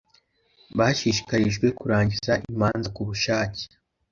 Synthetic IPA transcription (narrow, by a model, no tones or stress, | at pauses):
βaʃiːʃi̥kaɾiʒɡwe̞kuɾaːɲɟizaʔimaːnzakuβuʃaːci̥